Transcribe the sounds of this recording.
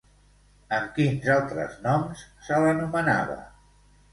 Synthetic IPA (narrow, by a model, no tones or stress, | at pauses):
əmkinzalˠt̪ɾə̰znɔmssələnuməna̰βə̰